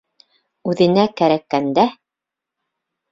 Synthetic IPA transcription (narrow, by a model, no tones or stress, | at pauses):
ʉðɘ̆nækæɾækːænd̪æ